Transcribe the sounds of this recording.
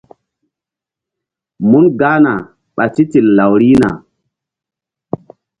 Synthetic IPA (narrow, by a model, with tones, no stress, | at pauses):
mu˦nɡa˦na˨ | ɓa˨ti˦ti˨lla˨wɾi˦na̰˨